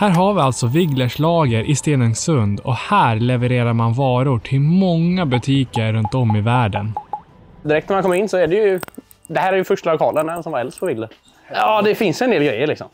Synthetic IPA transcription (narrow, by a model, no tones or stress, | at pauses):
hæːɾɦaɾvɪalt̪sɔvɪɡləʂɭɑːɡəɾʔɪst̪eːnənsɵnd̪ɔ̰hæːɾlɛvəɾeːɾaɾmanvɑːɾʊʈʰɪlmɔŋːabɵt̪ʰiːkəɾːɵnt̪ɔmːɪvæːɖənd̪ɪɾɛk̚t̪æmakɔmːɾɪnːsɔæɖɛjɵ | d̪ɛhæːɾæɾjɵfœʂʈalʊkʰɑːlənaɛnsɔmvaɾɛlspʰɔvɪɡlə | ɑːd̪ɛfɪnsjɛnd̪eːlɡɾɛjːəlɭɪksɔ̰m